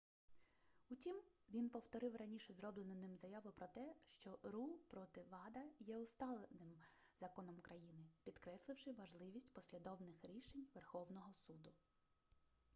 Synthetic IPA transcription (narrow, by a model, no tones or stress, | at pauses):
utʲimʋʲinpɔwt̪ɔɾɪwrɐnʲiʃɛzɾɔblˠenʊnɪmzɐjɑʋʊpɾɔt̪ɛʃt͡ʃɔɾupɾɔt̪ɪʋɑd̪ɐjɛʊst̪ɑlˠenɪm | zɐkɔnɔmkɾɐjinɪpʲid̪kɾɛslˠɪwʃɪʋɐʒlˠɪʋʲisʲtʲpɔsʲlʲid̪ɔwnɪxɾʲiʃenʲʋerxɔwnɔɦɔsud̪ʊ